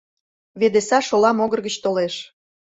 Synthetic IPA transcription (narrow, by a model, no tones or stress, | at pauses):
βed̪esɑʃolɑmoɣərɣət͡ɕt̪oleʃ